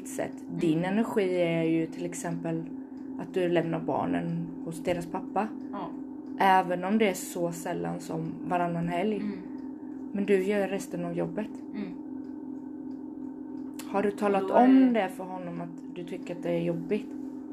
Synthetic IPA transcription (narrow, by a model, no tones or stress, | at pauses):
t̪sɛ̰t̪ːd̪ɪnɛnæɾɧiːæjɵt̪ʰɪlɛksɛmpəl | at̪̚d̪ɵlɛmnaɾbɑ̰ːɳə̰nhʊsd̪eːɾaspʰapːa | ʔɛːvənɔmd̪ɛːʂɔsɛlːa̰nsɔmvaɾanːanɦɛlj | mɛnd̪ɵjœːɾɛst̪ənavjɔbːət̪ | haɖɵt̪ʰɑːlat̪ɔmd̪ɛfœɾɦɔnːɔmat̪d̪ɵt̪ʰʏkːəɾat̪̚d̪ɛːɾjɔbːɪt̪